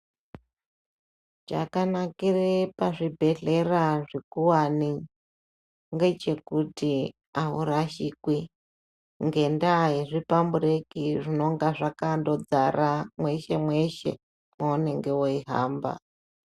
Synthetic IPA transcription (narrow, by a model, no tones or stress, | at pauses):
d͡ʒa̰kanakirepaʐibʱe̞ɮe̞raʐekuwani | ŋɡe̞t͡ʃe̞kuti | aɦuɾaʃikwi | ŋɡe̞ndaɦeʐipambuɾekiʐino̞ŋɡaʐakando̞d͡zaɾʔamwe̞ʃe̞mwe̞ʃe̞̰ | mwouneŋɡewoiɦa̰ːmba̰